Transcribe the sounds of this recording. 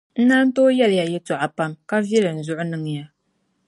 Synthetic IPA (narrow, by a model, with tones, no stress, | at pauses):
n̩˦na˦n̩˦toː˦jɛ˦lɪ˨ja˨jɛ˦tɔ˨ʔa˨pa˦mka˦vɛ˦lɨ˨n̩˨zʊ˦ʔʊ˦nɨ˦ŋ˨ja˦